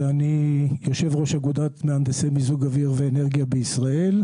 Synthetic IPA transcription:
anijo̞ʃe̞vʁo̞ʃaɡud̪at̪meamd̪esemizuɡaviʁveːne̞ʁɡijabeisʁae̞l

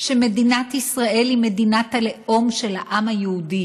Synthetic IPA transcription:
ʃemed̪inat̪isʁaʔe̞limedinat̪aleʔo̞mʃelhaʔamhajeudi

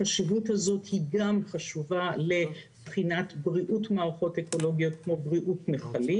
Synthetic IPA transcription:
aʃivuthazo̞thiɡamχaʃuvale̞ | b̥χinatbʁiʔutmaːʁaχo̞teko̞lo̞ɡijo̞t̚kmo̞bʁiʔutmeχali

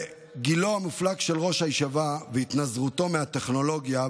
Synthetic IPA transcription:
ɡilohamiflaɡʃe̞lʁo̞ʃhajʃavaveit̪nazʁut̪o̞meat̪e̞χno̞lo̞ɡja

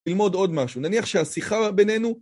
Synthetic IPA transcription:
ilmo̞do̞dmaʃunaniaχʃeasiχabe̞ne̞nu

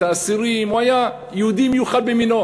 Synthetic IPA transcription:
aʔasiɾiːmwaja | jud̪imjuxabːimɪno

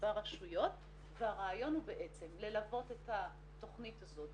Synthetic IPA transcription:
vaʁaʃujo̞t | veaʁeːjo̞nhube̞ʔe̞t͡se̞mle̞lavo̞te̞ta | to̞χnitazo̞t

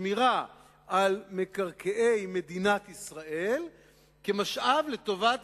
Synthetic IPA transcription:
miʁa | ʔalme̞kaʁkeʔe̞jme̞d̪inat̪isʁaʔe̞l | kemaʃʔavlet̪o̞vat̪

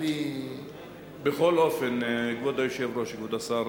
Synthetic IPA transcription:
i | beχolofenɡvod̪ajoʃevɾoʃikvod̪asaɾ

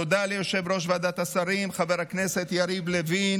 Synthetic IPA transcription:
od̪alejoʃe̞vɾo̞ʃ̬vead̪at̪asaɾimχave̞ʁhakne̞se̞t̪jaɾiblevi

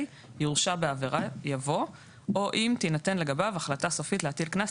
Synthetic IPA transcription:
j | juʁʃabeaveʁajavo̞ | ʔo̞ʔimt̪inat̪e̞nle̞ɡabavaχlataso̞fitleatilkna

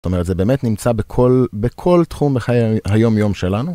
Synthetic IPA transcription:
o̥t̪o̞me̞etzebeːmetnimt͡sabekʰo̞lbekʰo̞ltχumbeχajhajo̞mjo̞mʃelanu

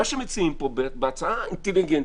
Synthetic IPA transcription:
aʃemet͡siimpobebeat͡saaint̪eliɡɛn

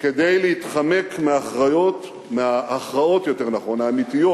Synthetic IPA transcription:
ke̞dejleitχame̞kmeaχʁajo̞t | meaːχʁao̞tjo̞te̞ʁnaχo̞naːmitijo̞t

